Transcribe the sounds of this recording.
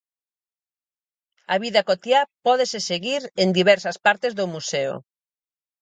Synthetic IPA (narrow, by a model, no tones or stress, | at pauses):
ɐβiðɐkot̪japɔðeseseɣiɾend̪iβɛɾsɐspaɾt̪ezðʊmuseʊ̰